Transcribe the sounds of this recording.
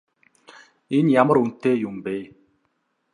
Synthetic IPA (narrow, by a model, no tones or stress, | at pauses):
injaməɾun̩tejumbe